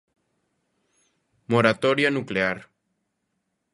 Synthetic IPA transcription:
moɾat̪oɾjanukleaɾ

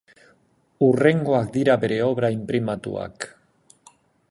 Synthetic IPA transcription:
ure̞ŋɡo̞akd̪iɾabe̞ɾe̞o̞βɾaimpɾimat̪ṵa̰k

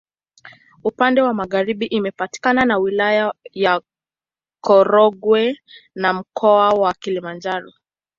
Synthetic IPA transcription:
upandɛwamaɣaɾiɓiʔimɛpati̥kananawilajaja | kɔɾɔɡwɛnam̩kʰɔawakilimand͡ʒaɾɔ

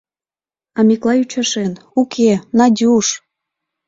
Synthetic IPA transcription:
ɑmʲiklˠɑyt͡ɕɑʃenukʲʰenɑdʲuʃ

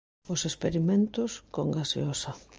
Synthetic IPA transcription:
ʊsespeɾimẽnt̪ʊskoŋɡasj̰osɐ

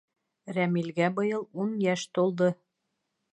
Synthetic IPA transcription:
ɾæmilɡæbɤ̆jɤlˠunjæʃt̪olˠd̪ɤ

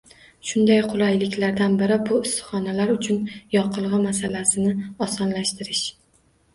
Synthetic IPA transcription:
ʃʊnd̪ajqʰʊlˠajlɪkʲlaɾd̪anbɪɾɪbʊɪst̪ɨχɒnalaɾʊt͡ʃʰʊnjɒqʰɨlˠʁɨmasalasɪnɪɒsɒnlaʃt̪ʰɪɾɪʃ

